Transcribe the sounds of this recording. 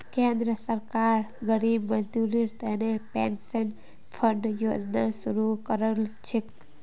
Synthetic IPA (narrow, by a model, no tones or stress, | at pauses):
kend̪ɾəsəɾkaːɾɡəɾiːbməd͡ʒd̪uɾiɾt̪enepḛnsən | pʰəɳɖjoːd͡ʒnasuɾukəɾəlt͡ʃʰik̪